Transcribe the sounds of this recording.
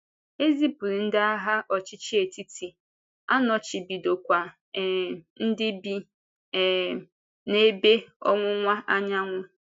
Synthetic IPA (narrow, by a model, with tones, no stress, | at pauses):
e˦zi˦pu˨ɾi˨n̩˦dɪ˦a˦ɦa˦ʔɔ˨t͡ʃɪ˦t͡ʃi˦e˨ti˦tʰi˨ | a˦nɔ˨t͡ʃi˨bi˨do˨kʷa˨ | n̩˦dɪ˦bi˨ | ne˦be˦ɔ̰˦ŋʷʊ˦ŋʷa˦ʔa˦ɲa˦ŋʷʊ˦